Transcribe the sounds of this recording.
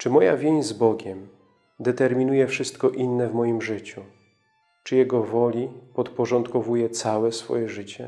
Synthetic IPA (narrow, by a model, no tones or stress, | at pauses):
t͡ʂɘmɔja̰vʲjeɲzbɔɡʲɛm | d̪ɛt̪ɛɾmʲinujɛfʂɘst̪kɔʔinːɛvmɔjimʐɘt͡ɕu | t͡ʂɘjɛɡɔvɔlʲipɔt̪pɔʐɔnt̪kɔvujɛt̪sawɛsfɔ̰jɛʐɘt͡ɕɛ